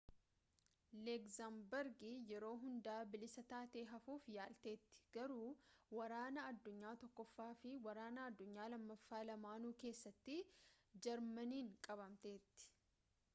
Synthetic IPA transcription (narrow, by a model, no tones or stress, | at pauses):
lɛkzambɛɾɡɪjɛɾo̞ːɦʊnd̪aːbɪlɪsɐt̪aːt̪e̞ːɦɐfuːfjaːlt̪e̞ːt̪ːɪ̥ɡ̥ɐɾuːwɐɾaːnɐɐd̪ːʊɲːaːt̪ɔkːɔfːaːfɪwɐɾaːnɐɐd̪ːʊɲːaːlɐmːɐfːaːlɐmaːnuːke̞ːsːɐt̪ːɪd͡ʒɐɾmɐniːŋkʼɐβɐmt̪e̞ːt̪ːɪ̥